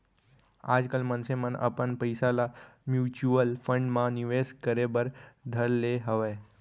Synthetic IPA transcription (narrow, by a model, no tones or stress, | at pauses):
a̰d͡zkalmənsemənə̰pəɳpəjsalamjut͡ɕuəlfəɳɖmaniʋeskəɾebəɾd̪ʱəɾleɦəʋa